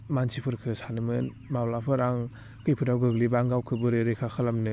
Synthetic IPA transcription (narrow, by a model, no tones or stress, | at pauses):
mansipʰɯɾkʰɯsanɯmɯn | mawlapʰɯɾaŋ | kʰɯjpʰɯdawɡɯɡlibaŋɡawkʰɯbɯɾeɾekʰakʰɯlamnɯ